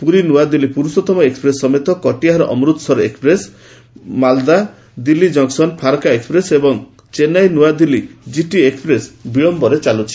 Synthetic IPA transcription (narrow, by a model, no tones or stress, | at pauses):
puɾinuad̪ilipuɾusɔt̪ɔmɔekspɾesːɔmet̪ɔkɔʈiaɦaɾɔ̰ʔɔmɾut̪ɔ̥sɔɾekspɾes | mald̪a | d̪ilːid͡ʒɔŋksɔnpʰaɾkaekspɾesebɔŋ | t͡ʃenajnuad̪ilid͡ʒiʈiekspɾesbiɭɔmbɔɾet͡ʃalut͡ʃʰi̥